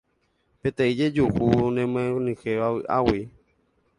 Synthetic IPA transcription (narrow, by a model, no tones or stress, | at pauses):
pet̪eid͡ʒed͡ʒuʔunẽmẽnĩxeβaɨʔa̰wi